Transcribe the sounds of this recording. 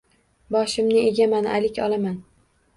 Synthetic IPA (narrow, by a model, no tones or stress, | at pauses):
bɒʃɪmnɪeɡʲamana̰lɪkʲʰɒlˠaman